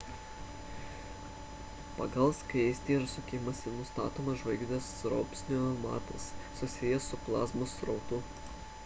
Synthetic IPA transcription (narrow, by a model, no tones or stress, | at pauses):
pɐ̰ɡɐlˠskɐsʲt̪ʲiɾsʊkʲɪmɐsʲɪnʊst̪ɑ̰ːt̪oːmɐʒʋɐɪɡʲd̪ʲɐsɾɔ̰ːpʲsʲnʲomɑ̰ːt̪ɐsːʊsʲɪjɛsʊplˠɑ̰ːzmʊsɾɒʊt̪ʊ